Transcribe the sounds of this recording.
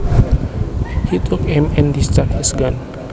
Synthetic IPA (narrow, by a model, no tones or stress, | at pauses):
hit̪ukɛmɛndist̪akisɡan